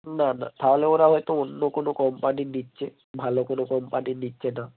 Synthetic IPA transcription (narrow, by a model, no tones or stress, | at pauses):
nana̰t̪aɦoleoɾaɦɔjt̪oonːokonokɔmpaninitːt͡ʃʰe | bʱalokonokɔmpaninitːt͡ʃʰena